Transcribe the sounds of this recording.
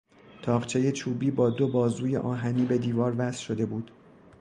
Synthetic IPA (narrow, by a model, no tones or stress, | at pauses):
t̪ʰɒːʁt͡ʃʰe̞je̞t͡ʃʰuːbiːbɒːd̪o̞bɒːzuːje̞̰ʔɒːɦæniːbe̞d̪iːvɒːɾvæsʃod̪e̞buːd̪̥